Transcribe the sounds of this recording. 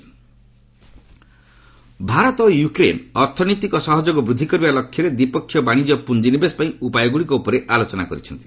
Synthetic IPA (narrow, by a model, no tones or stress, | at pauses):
bʱaɾɔt̪ɔjukɾḛnɔɾt̪ʰɔnɔt̪ikɔsɔɦɔd͡ʒoɡɔbɾud̪ʱːikɔɾibalɔkʰːjɔɾed̪ipɔkʰːjɔbaɽ̃id͡ʒɔpund͡ʒinibespaĩupajɔɡuɭikɔupɔɾeʔalot͡ʃɔnakɔɾit͡ʃʰɔnt̪i̥